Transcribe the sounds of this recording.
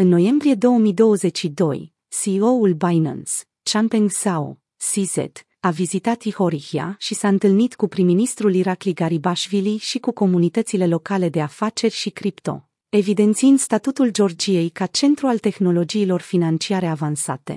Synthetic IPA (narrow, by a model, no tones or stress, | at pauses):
ɨnːo̞je̞mbɾie̞d̪o̞wəmijd̪o̞wəze̞t͡ʃʃid̪o̞̰j | sioulbajna̰ns | t͡ʃampiŋzao̰ | sizḛt̪ | avizit̪at̪iho̞ɾixia̰ʃisaɨnt̪ɨlnit̪kupɾiminist̪ɾuliɾakliɡaɾibaʃviliʃikuko̞munit̪ət̪sile̞lo̞kale̞d̪e̞afat͡ʃe̞rʲʃikɾipt̪o̞̰ | e̞vid̪e̞nt̪siɨnd̪st̪at̪ut̪uld͡ʒo̞rd͡ʒije̞jkat͡ʃe̞nt̪ɾualt̪e̞xno̞lo̞d͡ʒiːlo̞rfinant͡ʃiaɾe̞avansat̪e̞̰